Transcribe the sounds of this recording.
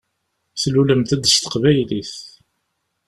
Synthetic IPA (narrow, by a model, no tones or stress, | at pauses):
θluləmt̪æd̪əst̪ə̥qvæjliθ